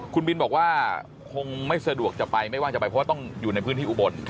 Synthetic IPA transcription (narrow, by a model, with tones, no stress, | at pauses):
kʰu˧nbi˧nbɔː˨˩k̚waː˥˩ | kʰo˧ŋma˥˩jsa˧du˨˩ək̚t͡ɕa˨˩pa˧jma˥˩jwaː˥˩ŋt͡ɕa˨˩pa˧pʰɔ˧˦waː˥˩t̪ɔ˥˩ŋjuː˨˩na˧jpʰɯː˧˦˥nt̪iː˥˩ʔu˨˩bo˧n